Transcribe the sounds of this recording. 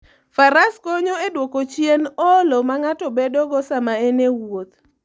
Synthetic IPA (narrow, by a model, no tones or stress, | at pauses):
faɾaskoɲoedwokot͡ʃjenɔlomaŋatɔbedɔɡɔsamaenewot̪̚